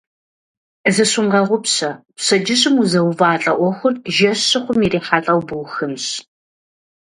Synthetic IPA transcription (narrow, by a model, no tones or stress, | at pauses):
zɨɕʊɴʁɐʁʷʊpɕɐpɕɐd͡ʒɪɕɨmuzɐwvaːɬʼɐʔʷɔxʷʊrʒɐɕɨχʷʊmiriːħaɬʼɐwbɨwxɨmɕ